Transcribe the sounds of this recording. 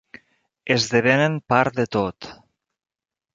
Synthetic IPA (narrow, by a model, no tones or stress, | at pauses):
ezðeβenempaɾd̪et̪ot̪